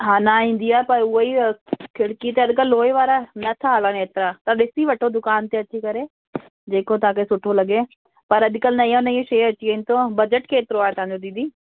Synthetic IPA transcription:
ɦaːnaĩːn̆d̪iaːepɐɾʊɦoikʰɪɽkit̪eɐd̪kəlːoːeʋaːɾanɐt̪ʰaɦaːlãneːt̪ɪɾat̪ɐɗɪsiʋɐʈʰod̪ʊkaːnt̪eɐt͡ʃʰikɐɾe | d͡ʑeːkot̪ɐãːkʰesʊʈʰolɐɠe | pɐɾɐd̪kəlnɐijãnɐioʃeːɐt͡ɕiẽːnt̪obɐd͡ʑəʈkʰeːt̪ɪɾoaːɦet̪ɐɦãːɲd͡ʑod̪id̪iː

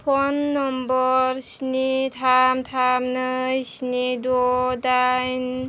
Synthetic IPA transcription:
pʰɔnːɔmbɔɾsnitʰamtʰamnɯsnidɔdajn

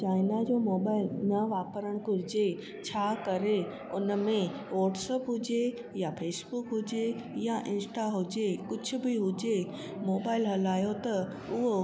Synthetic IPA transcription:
t͡ɕaːɪnad͡ʑoːmoːbaːɪlnɐʋaːpəɾəɽ̃kʊɾɪd͡ʑe | t͡ɕʰaːkɐɾe | ʊnəmẽ | ʋɔːʈsəpɦʊd͡ʑe | jafeːsbʊkɦʊd͡ʑe | jaʔɪ̃nsʈaɦʊd͡ʑekʊd͡ʑʱʊ̆bɪɦʊd͡ʑe | moːbaːɪlɦɐlaːjot̪ɐ | ʊɦo

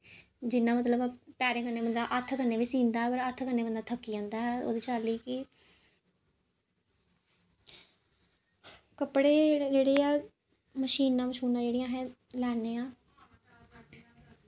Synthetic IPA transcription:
d͡ʒɪnãːmət̪ləbpɛːɾẽːkəɾneːbənd̪aːʔət̪ʰːkəɾneːʋiːsĩːnd̪aːɦɛːpəɾət̪ʰkənːeːbənd̪aːt̪ʰəkːiːãːnd̪aːɦɛːo̰ːd̪iːt͡ʃaːliːkɪ | kəpɽeːd͡ʒeːɽeːaː | məʃiːnːãːməʃuːnãːd͡ʒeːɽijãːɦɛ̃ːlɛːneːãː

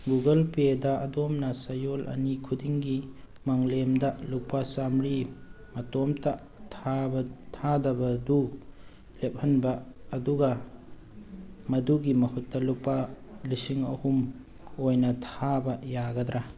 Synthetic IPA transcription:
ɡuɡɐlpedɐɐdomnɐsɐjolʔɐ̰nikʰudiŋɡi | maŋlemdɐlupasamɾi | mɐtomtɐ | tʰabɐtʰadɐbɐdu | lep̚hɐnbɐːduɡɐ | mɐduɡimɐhutːɐlupa | lisiŋɐ̰hum | ojnɐtʰabɐjaɡɐdɾa

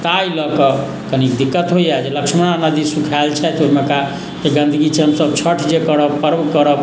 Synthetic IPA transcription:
t̪ajləkɔ | kənikd̪ikːət̪ɦojad͡ʒeləksʰməñanəd̪isukʰalt͡ʃʰɛt̪oimeka | d͡ʒeɡə̃nd̪ʱəɡit͡ʃʰɛɦəmsəb̚t͡ʃʰəʈʰd͡ʒekəɾəbpəɾbkəɾəb

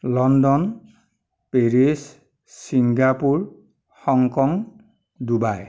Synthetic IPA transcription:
lɔndɔn | peɹis | sːiŋɡapuɹ | hɔŋkɔŋ | dubaj

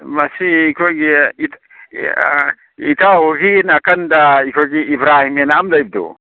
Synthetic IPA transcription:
mɐsiːkʰoɡiit | it̪aɦoɡinɐkɐnd̪aikʰoɡiːbɾaːɦimenaamlɐjb̚d̪ṵ

